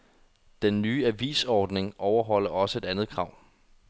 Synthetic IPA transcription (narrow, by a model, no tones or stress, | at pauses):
d̥enːyːæʋḭːsɒːd̥ne̝ŋʔɒʊɐɦɒ̽l̰ɐɒ̽səe̝d̥ænð̞̩ˠkʰʁɑ̈ʊ̰